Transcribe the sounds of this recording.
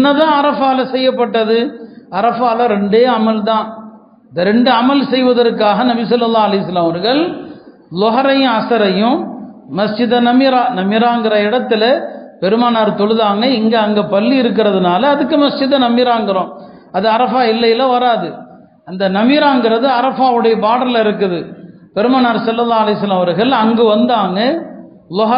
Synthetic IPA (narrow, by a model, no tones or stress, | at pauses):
ɪnːɐt̪ãːɐɾɐfaːlɐsɛjːɐpːɐʈːɐðɯɐɾɐfaːlɐ̃ɾɛɳɖeːɐmɐlt̪ãː | ɐnd̪ɐɾɛɳɖɯɐmɐlsɛjʋɐðɐɾkːaːɣɐnɐbɪsɐlːɐlːaːɐlɐɪjsɐlaːmɐɾɣɐɭ | lɔɣɐɾɐj̃ɐsɐɾɐjʊ̃mɐst͡ʃɪðɐnɐmɪɾaːnɐmːɪɾaːŋɡɪɾɐɪɽɐt̪ːɪlɐpɛɾɯmaːnaːɾt̪ɔɭɯðaːŋɡɐɪŋɡɐɐŋɡɐpɐlːiɪɾɯk̬ːɪɾɐðɯnaːlɐːðɯkːɯmɐst͡ʃɪðɐnɐmːɪɾaːŋɡɪɾõː | ɐðɯɐɾɐfaːɪlːɐjɪlɐʋɐɾaːðɯ | ɐnd̪ɐnɐmɪɾaːŋɡɪɾɐðɯɐɾɐfaːʋɯɽɐjɐpaːɽɐɾlɪɾɯkːɯðɯ | pɛɾɯmaːnaːɾsɐlːɐlːaːɐlɐjsɐlːɐmɐʋɐɾɣɐɭɐŋɡɯʋɐnd̪aːŋɡɐ | lɔɦɐ